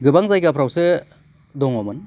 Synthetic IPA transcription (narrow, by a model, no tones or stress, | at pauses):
ɡɯbaŋzajkapʰɾawsɯ | dɔŋɔmɯn